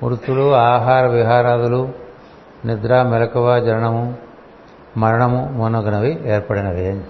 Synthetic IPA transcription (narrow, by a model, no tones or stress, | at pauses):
muɾut̪ːuluaːɦaːɾɐʋiɦaːɾaːd̪ulu | nid̪ɾaːmɛlɐkɐʋaːd͡ʒɐɾɐɳɐmu | mɐɾɐɳɐmumunɐɡɐnɐʋieːɾpɐɽinɐʋiɐ